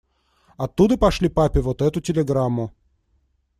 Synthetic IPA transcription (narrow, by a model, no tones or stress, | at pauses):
ɐt̪ːud̪əpɐʂlʲipapʲɪvot̪ɛt̪ʊtʲɪlʲɪɡɾamːʊ